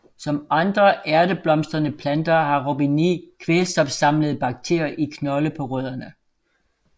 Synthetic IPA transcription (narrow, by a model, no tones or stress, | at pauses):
sɒ̽mɑ̈nd̥ʁɐʔæɐdəb̥lɒ̽msd̥ʁɐnəpʰlænd̥ɐhɑ̈ʁobinikʰʋelsd̥ɒ̽b̥sɑ̈mləð̞̩ˠb̥ɑ̈ɡ̥̚t͡sʰe̝̰ɐ̰jɐʔikʰnɒ̽ləpʰɒ̽ʁøðˠɐnə